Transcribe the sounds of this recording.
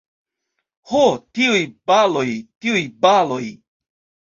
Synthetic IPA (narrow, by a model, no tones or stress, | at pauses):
hotiujbalo̞jtiujbalo̞j